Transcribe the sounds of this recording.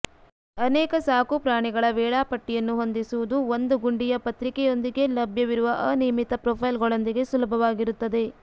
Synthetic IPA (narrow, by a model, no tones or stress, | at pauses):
ɐnɛːkɐsaːkupɾaːɳiɡɐɭɐʋɛːɭaːpɐʈːijɐnːuɦo̞nd̪isuʋud̪uʋond̪uɡuɳɖijɐpɐt̪ɾikɛjo̞nd̪iɡe̞lɐbʱjɐʋiɾuʋɐʔɐniːmit̪ːɐpɾɔːpʰɐjlɡɐɭond̪iɡe̞sulɐbʱɐʋaːɡiɾut̪ːɐd̪e̞